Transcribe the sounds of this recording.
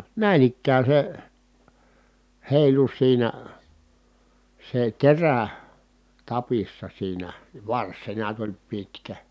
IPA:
næˑin ikːæː se heˑilu siːnæ se teræ tɑpisːɑ siːnæ ʋɑrs se neæt olʲ pitkæ

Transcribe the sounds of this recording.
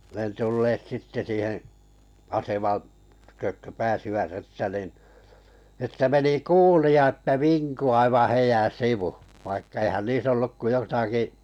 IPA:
ne tulːeːt sitːe siːhẽː ɑsemɑn tykøk kø pæːsiʋæt etːæ nin etːæ meni kuːliɑ etːæ ʋiŋku ɑiʋɑ̃ː heijæn̞ siʋu ʋɑikːɑ eihæn niːs olːuk ko jotɑki

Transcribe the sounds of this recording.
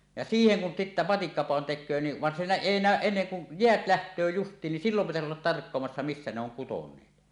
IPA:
jɑ siːheŋ kun sitːæ mɑtikːɑpɑˑon tekˑøː ni ʋɑn siːnæ eˑi næˑøʔ ʔenːeŋ kun jeæt læhtˑøː justˑiːn nin silːom pitæsi olːɑt tɑrkːoɑmɑsːɑ misːæ ne oŋ kutonˑeːt

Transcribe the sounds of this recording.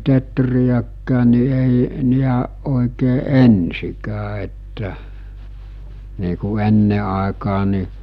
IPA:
tetrijækːæːn̆ ni eˑi niæʔ ʔoˑikeː ensikæː etːæ niː ku enːe ɑˑekɑː ni

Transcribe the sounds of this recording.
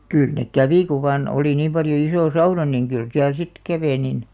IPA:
kyˑl nek kæʋi ku ʋɑːn oli niːm pɑljo isoˑ sɑunɑ niŋ kyl siæl sit kæʋeˑ nin

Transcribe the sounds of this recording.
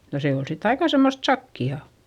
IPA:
no se ol sit ɑikɑ semːost sɑkːiɑˑ

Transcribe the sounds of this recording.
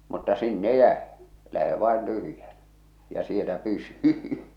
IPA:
mutːɑ sinːe jæe læhe ʋɑˑen tyhy̆jænæ jɑ sielæ pysy

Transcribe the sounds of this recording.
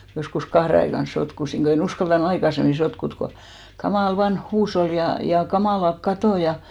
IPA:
joskus kɑhre ɑikɑn sotkusiŋ ɡ̊o en uskɑltɑn ɑikɑsemːi sotkut ko kɑmɑˑl ʋɑnh huːshol jɑ jɑ kɑmɑˑlɑk kɑtoˑ jɑ

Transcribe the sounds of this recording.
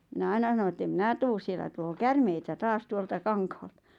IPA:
mĭnæ ɑinɑ s̆ɑno ĕtː em mĭnæˑ tuːs sielæ tuloː kærmeitæ tɑːs tuoltɑ kɑŋkhɑl̥tɑ̥

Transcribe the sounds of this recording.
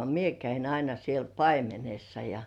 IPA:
mie kæin ɑinɑ siel pɑimenesːɑ jɑ

